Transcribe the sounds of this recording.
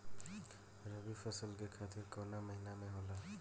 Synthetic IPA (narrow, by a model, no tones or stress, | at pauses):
ɾəbipʰəsəlkekʰaːt̪ɪɾkəːnaməɦinamẽɦoːla